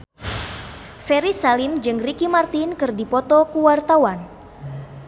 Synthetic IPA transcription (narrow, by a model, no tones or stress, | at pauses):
fɛɾisalɪmd͡ʒɨŋrikimart̪inkɨrdipɔt̪ɔkuwart̪awan